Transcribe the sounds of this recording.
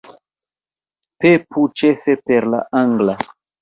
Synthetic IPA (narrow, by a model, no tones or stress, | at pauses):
pepʰut͡ʃefepeɾla̰ʔaŋɡla